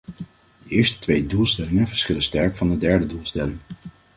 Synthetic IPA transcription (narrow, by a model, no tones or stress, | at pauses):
dəɪːɹstə̥tʋejdulˠstɛlɪŋənvəɹsχɪlənstɛɹkfɑndədɛɹdədulˠstɛlɪŋ